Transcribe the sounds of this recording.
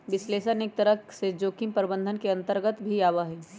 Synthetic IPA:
ʋɪsleːʃənek̚t̪əɾəsed͡ʒoːkɪmpəɾbə̃nd̪ʱənkeɐ̃nt̪əɾɡət̪bʱiaːʋaɦɛː

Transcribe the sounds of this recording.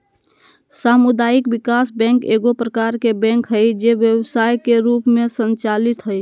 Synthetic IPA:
samʊd̪aːɪkbɪkaːsbɛ̃ŋkeːɡopɾəkaɾkebɛ̃ŋkɦəjd͡ʒeʋjəwsaːjkeɾuːpmẽsənt͡ʃalɪt̪ɦəj

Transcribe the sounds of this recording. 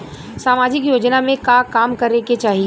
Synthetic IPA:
saːmaːd͡ʒɪkjoːd͡ʒnamẽkakaːmkɐɾeket͡ʃaːɦi

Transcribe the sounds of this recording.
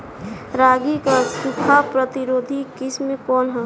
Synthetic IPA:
ɾaːɡikasikʰapɾət̪iɾoːd̪ʱikɪsmẽkɔːnɦə̃

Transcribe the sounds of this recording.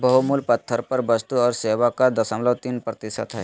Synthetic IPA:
bɐɦumulpɐt̪ʰːəɾpɐɾbɐst̪uɔːɾseːʋakad̪ɐsəmlət̪iːnpɾɐt̪ɪsə̰t̪ɦɛː

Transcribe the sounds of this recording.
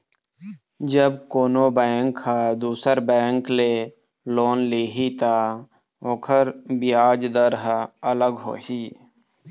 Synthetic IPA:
d͡ʒəb̚koːnobɛːŋkhaːd̪uːsəɾbɛ̃ːŋkleː | loːnleːɦit̪aː | oːkʰəɾbɪjaːd͡ʒd̪əɾɦələɡɦo̰ːɦiː

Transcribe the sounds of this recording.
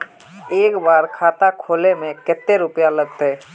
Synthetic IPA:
eːkbaːɾkʰaːt̪akʰoːlemẽkɪt̪ːeɾʊpjaləɡ̚t̪ɛː

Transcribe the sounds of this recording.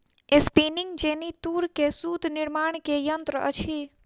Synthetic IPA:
espiːnɪŋɡd͡ʒeːnit̪uːɾkesuːd̪ʱnɪɾmaːɳ̃kejənt̪ɾəə̰t͡ʃʰi

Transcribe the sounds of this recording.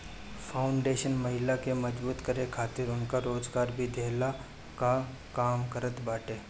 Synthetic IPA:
fʰaːʊɳɖeːʃənmɐɦɪlakemɐd͡ʒbuːt̪kɐɾekʰaːt̪ɪɾʊnkaɾoːd͡ʒɡaːɾbʱid̪ʱeːla | ka | kaːmkɐɾət̪baːʈeː

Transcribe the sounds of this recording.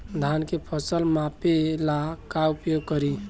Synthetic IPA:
d̪ʱankepʰəsəlmapelakaupjoɡ̚kəɾi

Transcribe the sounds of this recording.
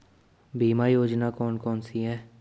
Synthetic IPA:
bʱiːmajoːd͡ʒnakɔːnkɔːnsiɦɛː

